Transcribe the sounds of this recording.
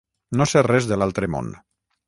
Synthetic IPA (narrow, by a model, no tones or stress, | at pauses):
noserɛzðəlalˠt̪ɾəmo̰n